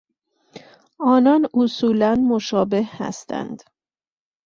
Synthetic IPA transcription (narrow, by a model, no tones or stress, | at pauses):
ɒːnɒːnusuːlænmoʃɒːbehhæ̰st̪æ̰nd̪̥